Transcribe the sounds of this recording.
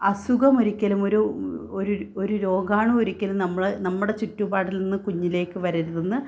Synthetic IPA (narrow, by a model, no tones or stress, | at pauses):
ɐsuɡɐmoɾikʲːɐlumo̞ɾuoɾuoɾuɾo̞ːɡaːɳɨoɾikʲːɐlumnɐmːɐɭnɐmːuɽe̞t͡ɕutːubaːʈːilninːɨkuɲːile̞ːkːɨʋɐɾiɾuðenːɨ